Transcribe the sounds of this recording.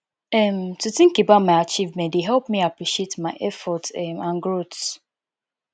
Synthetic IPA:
ɛmtutĩŋkebaʊtmaɪat͡ʃivmẽdeɦɛlpmiapɹiʃietmaɪʔɛfɔtɛmãnɡɾots

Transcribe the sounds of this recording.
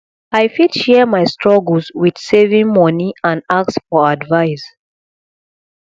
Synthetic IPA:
aɪfidʃɛmaɪstʰɹ̥ɔɡl̩ˠswid̥sevĩŋmɔniãnak̚sfɔadvaɪs

